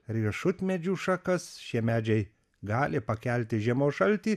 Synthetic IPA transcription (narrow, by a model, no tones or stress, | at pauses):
ɾʲiɛʃʊt̪ʲmʲɛd͡ʒʲuːʃɐkɐsʃʲiɛmʲæːd͡ʒʲɛɪ | ɡɑːlʲɪpɐkʲɛlʲt̪ʲɪʒʲiɛmoːʃɐlʲt̪ʲiː